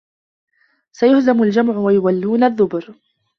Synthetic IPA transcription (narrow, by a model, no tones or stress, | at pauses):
sajʊhzamʊld͡ʒamʕʊwajʊwalːuːnaðːʊbɾ